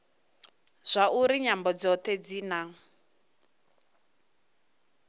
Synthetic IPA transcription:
z̥ʷaʔuɾiɲambɔd͡zɔt̪ʰɛd͡ziːnaŋ̩

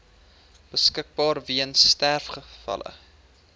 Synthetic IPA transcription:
b̥əskək̚bɑːrviənstærfχəfɐ̰lə̰

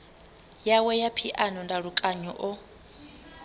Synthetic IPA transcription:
jawɛjapʰiʔanɔndaɺukʼaɲɔʔɔ

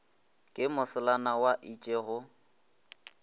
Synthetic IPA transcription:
kʼɪmʊsɪlanawaʔit͡ʃʼeɣʊ

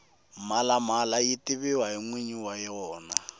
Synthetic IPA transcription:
malamalajitɪβɪwaɦiŋwiɲiwajɔːna

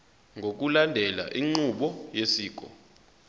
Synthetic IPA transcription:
ŋɡʱok̬ulandʱɛla̰ʔiŋ͡ǀuɓɔjesiːk̬ʼɔ̰

